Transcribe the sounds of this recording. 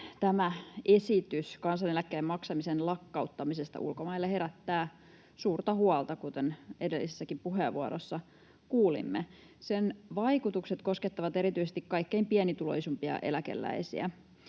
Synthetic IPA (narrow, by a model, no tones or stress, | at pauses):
t̪æmæesit̪yskɑnsɑnelækːeːmɑksɑmisenlɑkːɑut̪ːɑmisest̪ɑ̰ʔṵlkomɑilːehe̞ɾæt̪ːæː | suːrt̪ɑhuɑlt̪ɑkut̪enedelːisesːækimpuɦeːʋʋuɑɾosːɑ | kuːlḭmːe | senʋɑikut̪ukset̪kosket̪ːɑʋɑt̪eɾit̪yisest̪ikkɑikːeimpiænit̪ulo̰isumpiɑ̰ʔe̞̰lækḛlːæ̰isḭæ̰